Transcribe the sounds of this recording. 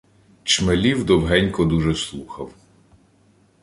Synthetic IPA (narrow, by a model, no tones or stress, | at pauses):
t͡ʃmelʲiwd̪ɔwɦɛnʲkɔd̪uʒɛslˠuxɐw